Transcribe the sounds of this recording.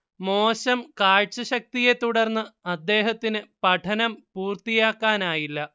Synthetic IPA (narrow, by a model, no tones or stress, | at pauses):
moːɕɐmkaːɻt͡ɕːɐɕɐk̚t̪ije̞t̪uɽɐrnːɨɐd̪ːe̞ːɦɐt̪ːinɨpɐʈʰɐnɐmpuːrt̪ijaːkːaːnaːjilːɐ